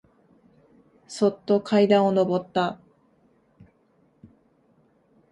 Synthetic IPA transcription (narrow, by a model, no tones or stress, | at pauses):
so̞t̪ːo̞kʰaid̪ão̞no̞bo̞t̪ːa